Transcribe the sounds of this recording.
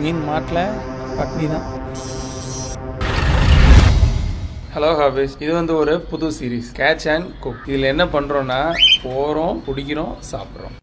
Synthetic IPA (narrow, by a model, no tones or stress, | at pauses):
niːnmaːʈlɐ | pɐʈɽiðãː | hɛloːɣaːʋesɪðɯʋɐnd̪ɯɔɾɯpʊðʊsiːɾiːskaːt͡ʃankʊkɪðɪlːɛnːɐpɐɳːɾõːnːaːpoːɾõːkʊɽɪkʲːɪɾõsa̰ːpɪɾõ̰ː